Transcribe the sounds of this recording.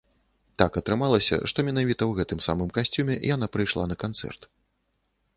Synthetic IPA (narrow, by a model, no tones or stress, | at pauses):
t̪akɐt̪ɾɨmalˠɐsʲɐ̰ʂt̪ɔmʲɛnavʲit̪ɐwɣɛt̪ɨmsa̰mɨmkasʲt͡sʲumʲɛjan̪apɾɨjʂlˠanɐkant̪sɛ̰rt̪